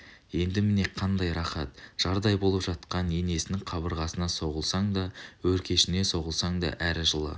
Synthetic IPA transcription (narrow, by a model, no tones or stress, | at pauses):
je̞nd̪ɪmɪne̞qʰɑnd̪ɑjɾɑχɑt̪ʒ̥ɑɾd̪ɑjbo̞lˠəpʒɑt̪̚qɑne̞ne̞sɪnɪŋqʰɑβəɾʁɑsənɑso̞ʁəlˠsɑɴd̪ɑwɵɾkʲe̞ʃɪne̞so̞ʁəlˠsɑɴd̪ɑ̰ʔæɾʒəlˠə̰